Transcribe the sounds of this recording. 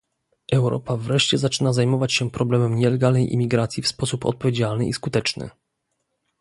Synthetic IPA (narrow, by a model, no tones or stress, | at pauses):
ʔɛwɾɔ̰pavɾɛʂt͡ɕɛzat͡ʂɘnazajmɔvat͡ɕɕɛpɾɔblɛmɛmɲɛlɛɡalnɛjʔḭmʲiɡɾat̪sʲjifspɔsupɔ̰t̪̚pɔvʲjed͡ʑalnɘ̰ʔiskut̪ɛt͡ʂnɘ̰